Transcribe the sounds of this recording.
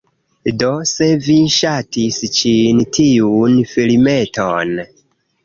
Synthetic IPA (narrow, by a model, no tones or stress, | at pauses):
do̞se̞viʃatist͡ʃintʰiunfilime̞ton